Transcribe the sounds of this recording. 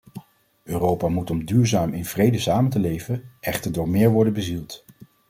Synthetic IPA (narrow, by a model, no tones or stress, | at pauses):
øːrowpamutɔmdyːɹzaːmɪnv̥rejdəsaːməntəlejvənʔɛχtəɹdʊːɹmɪːɹʋɔɹdənbəzilˠt